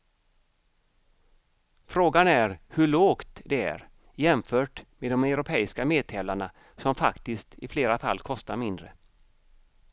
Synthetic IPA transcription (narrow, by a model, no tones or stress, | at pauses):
fɾoːɡanæɾhɵɭoːkt̪d̪ɛæ̰ɾ | jɛmfœːʈmed̪ɔmɛʊɾʊpʰɛːɪskameːd̪̚t̪ʰɛːlaɳa | sɔmfa̰kt̪ɪst̪ʰɪfleːɾafa̰lːkʰɔst̪aɾmɪnd̪ɾə̰